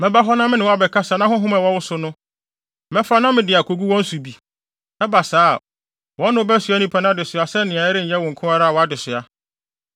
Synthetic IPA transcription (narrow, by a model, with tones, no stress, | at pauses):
mɛ̃˨ba˦ɦɔ˦nã˦mɪ̃˦nɪ̃˨wɔ˦a˨bɛ˨kʰa˦sa˨nã˦hʊ̃˦ɦʊ̃˦ma˨wɔ˦wʊ˦sʊ˦nʊ̃˦ | mɛ̃˦fa˦nã˦mɪ̃˨dɪ˨a˨kʰo˨ɡu˦wɔ̃˦n̩˦su˨bi˨ | nã˦ba˨saː˦˨ | wɔ̃˦nʊ̃˦bæ˦su˨a˦nĩ˦pʰɛ˨nʊ̃˦dɪ˨sʊ˨a˨sɛ˦nɪ̃˨ã˨ɛ˦ɾɪ˦n̩˨jɛ˦wɔ̃˨ŋ̩˨kʰʊ̃˦a˦ɾa˦a˨wɔ˨a˦dɪ˨sʊ˨a˨